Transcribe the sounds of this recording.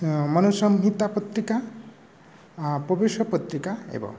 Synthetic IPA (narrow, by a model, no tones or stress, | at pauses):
mɔnusɔmɦit̪apɔt̪ɾika | pɔbeʃɔpɔt̪ɾikaḛbɔ̰